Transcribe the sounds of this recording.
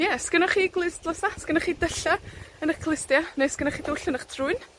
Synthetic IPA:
jɛskənɔχiːɡlˠɨsdlˠɔsaskənɔχiːdəɬaənəkʰlˠɪstjaneskənɔχiːdʊɬʊnəχtʰruɨn

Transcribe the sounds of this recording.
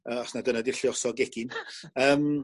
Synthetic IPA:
əːɔsnadənadɪɬiɔsɔɡɛɡ̥ɪnəːm

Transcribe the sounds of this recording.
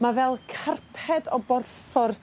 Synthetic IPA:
mavɛlˠkʰarpʰɛdɔbɔrfɔr

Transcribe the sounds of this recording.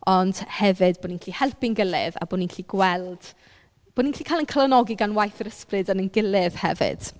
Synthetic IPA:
ɔnd̥hɛvɨdboːninkʰlihɛlˠpɪnɡɪlˠɪða̰boːninkʰliɡwɛlˠd̥ | b̥oːninkʰlikʰaːjlˠənkʰəlˠənɔɡiɡanwajθəɾəsprɨdənənɡɪlɪð̥hɛvɪ̰d̥

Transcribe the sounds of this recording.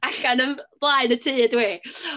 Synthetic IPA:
aɬanənb̥lˠaɨnətʰiːdwi

